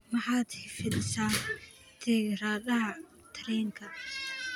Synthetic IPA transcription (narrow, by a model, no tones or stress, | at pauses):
mɑħɑːd̪hɪfɪdɪsaː | t̪ʰɛːɡraːðɐɦɐ | t̪ʰɐɾɛːŋkʰɐ